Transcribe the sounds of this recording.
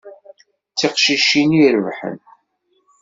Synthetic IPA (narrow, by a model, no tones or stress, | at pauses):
t͡sːiqʃiʃiniɾəvħə̰n